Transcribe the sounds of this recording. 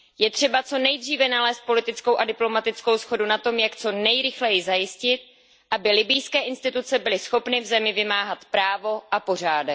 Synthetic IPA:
jɛt̪r̝̥ɛbat͡so̞nɛjd̪riːvɛnalɛːst̪̚po̞lɪt̪ɪt͡sko̞wʔadɪplo̞mat̪ɪt͡sko̞wsxo̞dunat̪o̞mjakt͡so̞nɛjɾɪxlɛjɪzajɪscɪt̪̚ | ʔabɪlɪbɪjskɛːʔɪnst̪ɪt̪ut͡sɛbɪlɪsxo̞pnɪvzɛmɪvɪmaːɦat̪pɾaːvo̞ʔapo̞r̝aːdɛ

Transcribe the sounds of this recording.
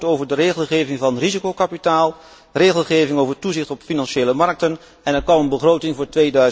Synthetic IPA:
towvəɹdəreːχəl̩ˠχejvɪŋvɑnrizikowkapitaːlˠ | reːɣəlˠχejvɪŋowvətuzɪχtɔpfinɑnʃejləmɑɹk̚tən | ɛnɛɹkʋɑmənbəχrowtɪŋvʊːɹtʋeːdœɥ

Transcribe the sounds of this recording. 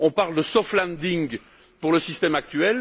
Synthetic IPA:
ɔ̃paʁld̪əsɔflɛ̃nd̪iŋɡ | puʁləsist̪ɛmak̚t̪ɥɛl

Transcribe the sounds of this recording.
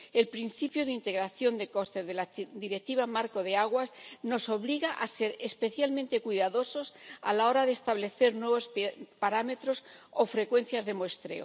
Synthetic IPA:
e̞lpɾinθipjoðint̪e̞ɣɾaθjo̞nd̪e̞ko̞st̪e̞zðelad̪iɾek̚t̪iβ̞amaɾko̞ðeaɣwasno̞so̞βliɣaʔase̞ɾespe̞θjalmẽnt̪e̞kwiðaðo̞so̞sa̰lao̞ɾaðest̪aβle̞θe̞ɾnwe̞β̞osppaɾame̞t̪ɾo̞sofɾe̞kwe̞n̟θjazðe̞moest̪ɾe̞̰o̰

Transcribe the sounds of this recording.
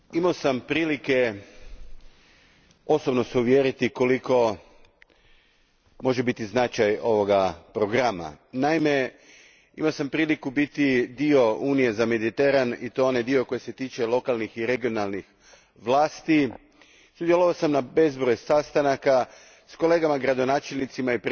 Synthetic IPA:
imaosampɾiːlike̞ | o̞sobno̞seuʋjeɾit̪iko̞liko̞ | mo̞ʒebit̪iznat͡ʃajo̞ʋo̞ɡapɾo̞ɡɾama̰naime | ḭmaosampɾiːlikubit̪id̪io̞uːnije̞zame̞d̪it̪e̞ɾanit̪oonejd̪io̞ko̞jese̞t̪iːt͡ʃe̞lˠo̞kalˠnixiɾe̞ɡio̞nalˠnix | ʋlˠaːst̪i | sud̪jelˠoʋaosamnabe̞zbɾojesast̪anaka | sko̞le̞ːɡamaɡɾad̪o̞naːt͡ʃelʲnit̪simaipɾ

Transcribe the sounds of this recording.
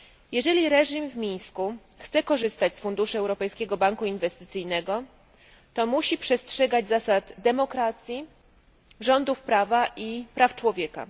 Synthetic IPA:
jɛʐɛlʲiɾɛʐimvmʲĩɲ̃sku | xt̪sɛkɔʐɘst̪at͡ɕsfund̪uʂɘɛwɾɔpɛjskʲɛɡɔbaŋkuinvɛst̪ɘt̪sɘjnɛɡɔ | t̪ɔmuɕipʂɛstʂɛɡad͡ʑzasad̪d̪ɛmɔkɾat̪sʲji | ʐɔnd̪ufpɾavaʔipɾaft͡ʂwɔvʲjɛka̰

